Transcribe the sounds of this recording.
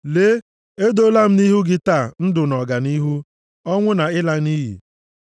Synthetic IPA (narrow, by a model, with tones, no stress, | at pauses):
le˦ | e˦do˦la˦m̩˦ni˦ɦu˦ɡɪ˦taː˦˨n̩˦dʊ˨nɔ˨ɡa˨ni˦ɦu˦ | ɔ˦ŋʷʊ˦na˨ɪ˦la˦ni˦ɦḭ˨